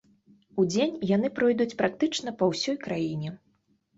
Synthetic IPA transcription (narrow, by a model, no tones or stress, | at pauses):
ud͡zʲenʲjan̪ɨpɾɔjd̪ut͡sʲpɾak̚t̪ɨt͡ʂnɐpɐwsʲɔjkɾajinʲɛ